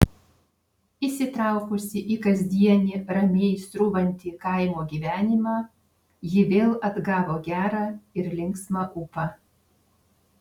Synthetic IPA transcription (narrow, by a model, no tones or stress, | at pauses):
isʲɪt̪ɾɑˑʊkʊsʲɪʔiˑkɐzʲd̪ʲiɛnʲɪɾɐmʲeːɪst̪ɾʊʋɐnʲt̪ʲɪkɐɪmoːɡʲiːʋʲæːnʲɪmɑː | jɪʋʲeːlˠɐd̪ɡɑːʋoːɡʲæːɾɑːɪɾlʲɪŋksmɑʔupɐ